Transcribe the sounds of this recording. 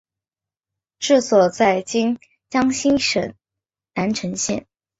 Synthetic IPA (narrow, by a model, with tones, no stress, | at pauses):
ʈ͡ʂɻ̩˥˩swɔ˨˩t͡sa˥˩ɪt͡ɕi˥ŋ | t͡ɕjɑ˥ŋɕi˥nʂə˨˩˦n | na˧˥nʈ͡ʂʰɤ˧˥ŋɕjɛ̰˥˩n